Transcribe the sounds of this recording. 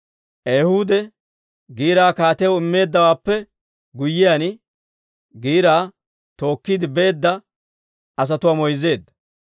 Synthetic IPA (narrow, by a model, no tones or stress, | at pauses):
ʔejhuːd̪ɛ | ɡiːɾaːkaːt̪ɛjwɪmːe̞ːd̪ːɐwaːpːɛ | ɡʊjːɪjan | ɡiːɾaː | t̪o̞ːkːid̪ɪbe̞ːd̪ːɐ | ɐs̬ɐt̪ʊwaːmɔjze̞ːd̪ːɐ